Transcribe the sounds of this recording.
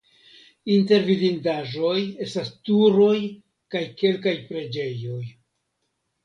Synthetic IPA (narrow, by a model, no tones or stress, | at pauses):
inte̞ɾvivindaʒo̞je̞stastuɾo̞j | kajke̞lkajpɾe̞d͡ʒe̞jo̞j